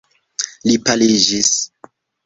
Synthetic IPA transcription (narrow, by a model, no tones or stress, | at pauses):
lipalid͡ʒis